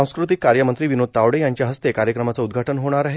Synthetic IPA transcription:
ãw̃skɾut̪̬ikːaɾjəmənt̪ɾiːʋinod̪̚t̪aʋɽejaɲt͡ɕjaɦəst̪ekaɾjəkɾəmat͡saud̪ɡʱaʈənɦoɽ̃aɾaɦe

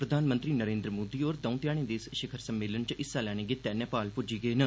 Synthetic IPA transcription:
pɾəd̪ʱaːnmə̃nt̪ɾiːnəɾẽːnd̪ɾəmoːd̪iːoːɾd̪ə̃ũt̪jaːɽ̃ẽːd̪eːsʃɪkʰəɾsəmːeːlənt͡ʃʔɪsaːlɛːɽ̃eːɡɪt̪ɛːnɛ̃ːpaːlpʊd͡ʒiːɡəeːnə

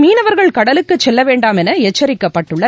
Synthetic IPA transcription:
miːnɐʋɐɾɣɐɭkɐɽɐlɯkːɯt͡ʃːɛlːɐʋeːɳɖaːmɛnɐɛt͡ʃːɐɾɪkːɐpːɐʈːɯɭːɐ

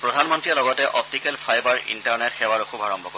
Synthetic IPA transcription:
pɹɔdʱanmɔntɹijalɔɡɔtɛʔɔp̚tikɛlpʰajbaɹḭntaɹnɛtxɛwaɹoxubaɹɔmbʱɔko

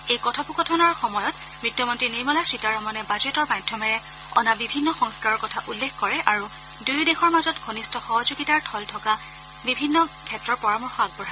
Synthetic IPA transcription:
ejkɔtʰɔpukɔtʰɔnɔɹxɔmɔjɔt | mɹitʰːɔmɔntɹiniɹmɔlasitaɹɔmɔnɛbazetɔɹmajdʱːɔmɛɹɛ | ɔ̰nabibʱinːɔxɔŋskaɹɔɹkɔtʰaʔulːexkɔɹɛʔaɹu | dujdexɔɹmazɔtɡʱonistɔxɔɦɔzoɡitaɹtʰɔltʰɔka | bibʱinːɔkʰɛtɹɔɹpɔɹamɔɹxɔaɡ̚bɔɹa

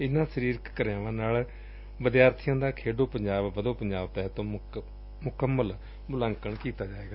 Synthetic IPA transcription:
ɪnãːsəɾiːɾkkəɾjãːʋãːnaːl | ʋəd̪ɪjaːɾt̪ʰijãːd̪aːkʰeːɖoːpəɲd͡ʒaːbbəd̪õːpəɲd͡ʒaːbt̪ɛːt̪õː | mʊkəmːəl | mʊlãːŋkəɳkiːt̪aːd͡ʒaːeːɡaː

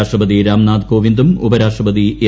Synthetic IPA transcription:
ʂrɐpɐðiɾaːmnaːd̪ko̞ːʋind̪umubɐɾaːʂʈrɐpɐðie

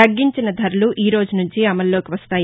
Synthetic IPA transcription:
ɐɡːiɲt͡ʃinɐd̪ʱɐɾluʔiːɾo̞ːd͡ʒunuɲt͡ʃiɐmɐlːo̞ːkiʋɐst̪aːj

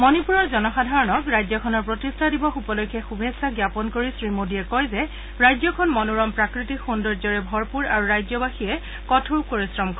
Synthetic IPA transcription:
mɔnipuɹɔɹzɔnɔxadʱaɹɔnɔkɹajzɔkʰɔnɔɹpɹotistʰadibɔxupɔlojkʰːɛxubʱesaɡjapɔnkoɹisɹimodiɛkɔjzɛ | ɹajzɔkʰɔnmɔnuɹɔmpɹakɹitikxundɔɹzɔɹɛbʱɔɹpuɹaɹuɹajzɔbaxiɛ | kɔtʰɹukoɹisɹɔmkʰɔ

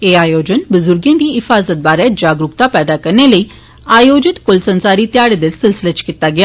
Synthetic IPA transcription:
eaːjoːd͡ʒənbʊzʊɾɡjãnd̪iːɦɪfaːzət̪̚baːɾɛd͡ʒaːɡɾukt̪apɛːd̪akəɾɳeləiː | aːjoːd͡ʒɪt̪kʊlsə̃nsaːɾiːt̪jaːɽed̪elsɪlsɪlət͡ʃkit̪aɡjaː

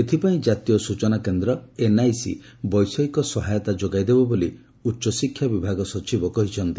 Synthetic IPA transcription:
et̪ʰipaĩd͡ʒat̪ijɔsut͡ʃɔnakend̪ɾɔenajsḭ | bɔjsɔikɔsɔɦajɔt̪ad͡ʒoɡajd̪ebɔboli | utːʃɔsikʰːjabibʱaɡɔsɔt͡ʃibɔkɔɦit͡ʃʰɔnt̪i̥

